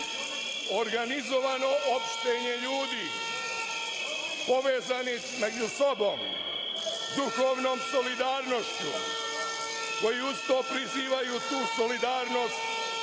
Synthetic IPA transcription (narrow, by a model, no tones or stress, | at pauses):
o̞ɾɡanizo̞ʋano̞ʔopʃt̪eɲe̞ʎuːd̪iː | po̞ʋeːzani | med͡ʒuso̞bo̞ːm | d̪uxoːʋno̞ːmso̞lid̪aːɾno̞ʃt͡ɕṵ | ko̞jiust̪oːpɾiziːʋajuːt̪uːsolid̪aːɾno̞ːst̪